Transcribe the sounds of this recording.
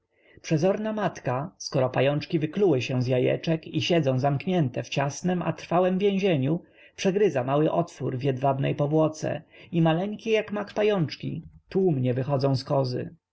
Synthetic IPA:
pʂɛzɔɾnamat̪kaskɔɾɔpajɔnt͡ʂkʲivɘkluwɘɕɛ̃zjajɛ̰t͡ʂɛkiɕɛd̪zɔ̃w̃zamkɲɛnt̪ɛft͡ɕasnɛma̰t̪ɾfawɛmvʲjẽw̃ʑeɲu | pʂɛɡɾɘzamawɘʔɔt̪fuɾvʲjɛd̪vad̪nɛ̰jpɔvwɔt̪sɛ̰imalɛŋkʲɛjakmakpajɔnt͡ʂkʲḭt̪umɲɛvɘxɔd̪zɔ̃w̃skɔzɘ̰

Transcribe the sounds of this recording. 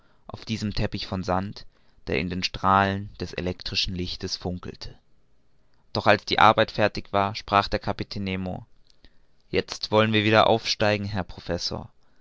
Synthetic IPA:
ʔaʊfd̥iːzəmtʰɛpɪçfɔnzant | d̥eːɐɪ̰ndeːnʃtʁ̥aːlənd̥ɛsḛlɛktʁ̥ɪʃn̩lɪçtəsfʊŋkl̩tʰə̥ | d̥ɔχalsd̥ḭːʔa̰ɐbaɪtfɛɐtɪçv̥aːɐʃpʁ̥aːχd̥eːɐkʰapitʰeːnːeːmo̰ | jɛt͡stv̥ɔlənviːɐviːdɐʔa̰ʊfʃtaɪɡŋ̩ɦɛɐpʁ̥ofɛso̰ːɐ

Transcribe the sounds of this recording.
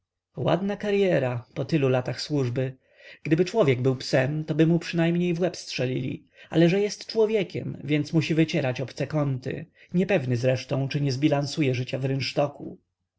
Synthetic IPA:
wa̰d̪nakaɾjɛɾapɔt̪ɘlulat̪axswuʐbɘ | ɡ̥d̪ɘbɘt͡ʂwɔvʲjɛɡbɘwpsɛmt̪ɔbɘmupʂɘnajmɲejvwɛpstʂɛlʲḭlʲḭ | a̰lɛʐɛjɛst̪t͡ʂwɔvʲjɛkʲɛ̰mvʲjɛnt̪smuɕivɘt͡ɕɛɾat͡ɕɔpt̪sɛkɔnt̪ɘ̰ | ɲɛpɛvnɘzɾɛʂt̪ɔ̃w̃t͡ʂɘɲɛzbʲilansujɛʐɘt͡ɕavɾɘnʂt̪ɔkṵ

